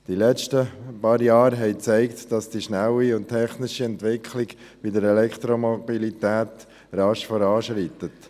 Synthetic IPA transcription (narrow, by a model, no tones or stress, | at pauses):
d̥ilɛt͡ʃtəpɑːɾjɑːɾɦɛɪt͡sɛɪktd̥ɑsd̥iʃnaʊiʊnttʰːɛχnɪʃiɛntʋɪkʰlɪɡ | b̥idəɾɛlɛkt̪ɾomobilitɛːt̪ | rɑʃfɔɾɑːʃɾit̪ət